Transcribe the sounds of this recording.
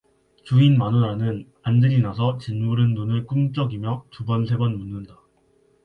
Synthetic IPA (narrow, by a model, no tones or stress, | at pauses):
t͡ɕuinmanonanɯn | andɯɾinasʰʌt͡ɕɯnmuɾɯnːonɯɭk͈umt͡ɕ͈ʌɡimjʌtubʌnsʰe̞bʌnmunːɯnda